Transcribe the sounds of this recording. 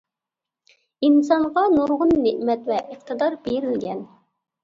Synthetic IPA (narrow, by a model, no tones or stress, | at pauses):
insɑɴʁɑnuɾʁʊnːeʔmɛt̪vɛʔəq̚t̪ʰəd̪ɑɾbeɾɪlɡʲɛn